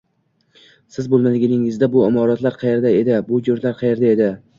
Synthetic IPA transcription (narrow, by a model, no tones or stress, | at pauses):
sɪzbolˠmad̪ɪɡʲɪnɪŋɪzd̪abʊɪmɒɾɒt̪laɾqʰɑje̞ɾd̪ae̞d̪ɪbʊjoɾt̪laɾqʰɑje̞ɾd̪ae̞d̪ɪ